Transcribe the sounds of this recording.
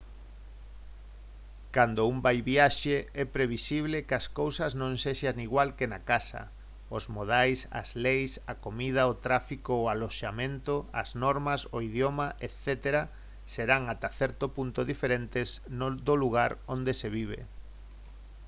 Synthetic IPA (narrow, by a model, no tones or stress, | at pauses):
kand̪ʊumbajβiaʃeɛpɾeβisiβ̞lɪkɐskowsɐznõŋseʃaniɣwalkenakasɐ̰ | ozmoð̞ajsɐ̰zlejsakomið̞ɐot̪ɾafikoːaloʃamẽnt̪oɐ̰znɔɾmɐsoiðjomaʔet̪θɛt̪eɾa | seɾaŋat̪aθɛɾt̪opunt̪ʊðifeɾent̪ɪsnd̪oluɣaɾond̪eseβiβ̞ḛ